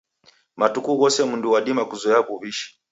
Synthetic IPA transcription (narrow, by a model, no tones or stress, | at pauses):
matukuɣɔsɛmunduwaɗimakuzɔɛaβuβiʃi̥